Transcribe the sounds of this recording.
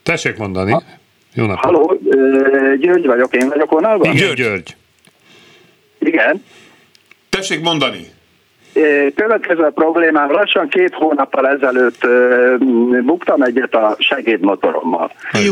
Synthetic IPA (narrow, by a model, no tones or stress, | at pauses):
t̪ɛʃːeːkmo̞nd̪ɒni | jo̰ːnɒhɒloː | ɟøːrɟʋɒɟo̞keːnvɒɟo̞konɒlvɒɡøɟørɟ | iɡɛn | t̪ɛʃeːkmo̞nd̪ɒnḭ | øːkøvɛt̪kɛzøːpro̞bleːmaːmlɒʃːɒŋkeːt̪hoːnɒpːɒlɛzɛløːt̪ː | bukt̪ɒmɛɟːɛt̪ɒʃɛɡeːd̪mo̞t̪o̞̰ɾo̰mːɒ̰l